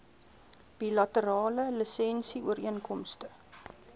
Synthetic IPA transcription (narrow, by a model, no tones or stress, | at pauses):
b̥ilɐtəɾɑːləlisɛnsiuəɾiənkɔmstə